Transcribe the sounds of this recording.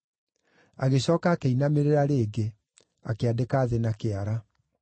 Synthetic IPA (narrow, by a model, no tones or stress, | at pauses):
aɣeɕɔːkaːkeinameɾeɾaɾeːɡe | akeadekaːðenakeaɾa